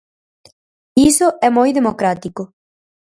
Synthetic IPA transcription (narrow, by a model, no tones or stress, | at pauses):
isoʔɛmojðemokɾat̪iko